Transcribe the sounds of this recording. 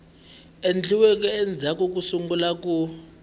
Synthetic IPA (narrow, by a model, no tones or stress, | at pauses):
end͡ɮʱiwɛk̬ɛɛnd͡zʱak̬ʼuk̬usuŋɡulak̬ʼu